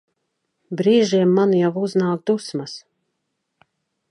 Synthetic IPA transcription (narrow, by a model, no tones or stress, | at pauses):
bɾiːʒiɛmːanjawuznaːk̚d̪usmas